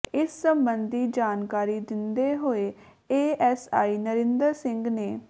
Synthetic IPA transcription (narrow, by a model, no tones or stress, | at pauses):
ɪsːəmbənd̪iːd͡ʒaːnkaːɾiːd̪ɪnd̪eːɦoːeː | eːɛːsaːiːnəɾɪ̃nd̪əɾsɪ̃ŋɡneː